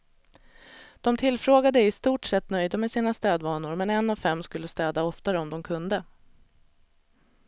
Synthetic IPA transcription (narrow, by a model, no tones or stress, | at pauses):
d̪̥ɔmt̪ʰɪlfɾoːɡad̪əɪst̪uːʈʂɛt̪ːnœjd̪amɛsiːnast̪ɛːd̪vɑːnʊɾmɛnɛnːavfɛmːskɵlːəst̪ɛːd̪aɔft̪aɾəɔmd̪ɔmkʰɵnd̪ə